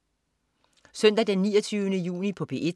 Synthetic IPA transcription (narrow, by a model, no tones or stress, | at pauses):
sœn̰d̥æd̥enːiːɐt͡sʰyːʊənəjṵːnipʰɒ̽b̥e̝̰ːe̝̥